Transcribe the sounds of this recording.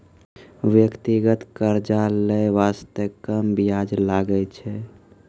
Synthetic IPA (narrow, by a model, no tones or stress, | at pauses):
ʋjəkt̪iɡət̪kəɾd͡ʒaləʋast̪əkəmbijad͡ʒlaɡət͡ʃʰɛ